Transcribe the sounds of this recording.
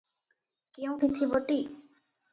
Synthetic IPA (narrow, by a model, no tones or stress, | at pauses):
kew̃bʱit̪ʰiboʈi